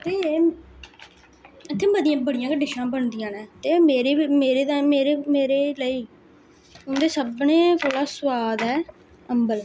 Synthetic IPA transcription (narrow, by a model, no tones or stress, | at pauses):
t̪eː | ət̪ʰːẽːbəd̪ɪjãːbəɽɪjãːkəɖɪʃãːbəɳd̪ɪjãːnɛ̃ːt̪eːmeːɾeːmeːɾeːd̪aːmeːɾeːmeːɾeːləiː | ʊnd̪eːsəbnẽːt̪ʰoːɽaːsəʋaːd̪ɦɛː | əmbəl